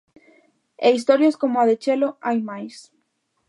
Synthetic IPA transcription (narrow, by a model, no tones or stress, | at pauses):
eis̬t̪oɾjeskomoaðet͡ʃeloajmajs